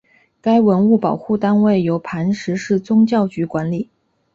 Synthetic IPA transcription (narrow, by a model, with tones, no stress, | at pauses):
ka˥ɪwə˧˥nu˥˩pɑ˨˩ʊxu˥˩t̪a˥nwe˥˩ɪjo˧˥ʊpʰa˧˥nʂɻ̩˧˥ʂɻ̩˥˩t͡sʊ˥ŋt͡ɕjɑ˥˩ʊt͡ɕy˧˥kwa˧˥nli˨˩˦